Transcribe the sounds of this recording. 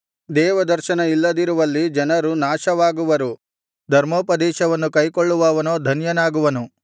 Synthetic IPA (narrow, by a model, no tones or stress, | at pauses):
d̪ɛːʋɐd̪ɐɾʃɐnɐilːɐd̪iɾuʋɐlːid͡ʒɐnɐɾunaːʃɐʋaːɡuʋɐɾu | d̪ʱɐɾmoːpɐd̪ɛːʃɐʋɐnːukɐjkoɭːuʋaːʋɐnoːd̪ʱɐnjɐnaːɡuʋɐnu